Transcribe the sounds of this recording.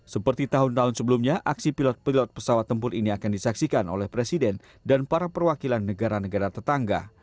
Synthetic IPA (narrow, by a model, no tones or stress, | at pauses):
səpərt̪it̪aɦʊnt̪aɦʊnsəbəlumɲaʔaksipilɔt̪̚pilɔt̪̚pə̥sawat̪ːəmpʊɾiniakandisaksikano̰lɛhpɾesidɛn | danpaɾapərwakilanːəɡaɾanəɡaɾat̪ət̪aŋɡa̰